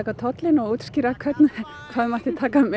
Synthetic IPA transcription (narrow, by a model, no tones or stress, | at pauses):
ɛkat̪ʰɔt̪lɪnɔɣuːt̪scɪɾakʰvœt̪n | kʰvaːðmaht̪ɪt̪ʰaːkamɛ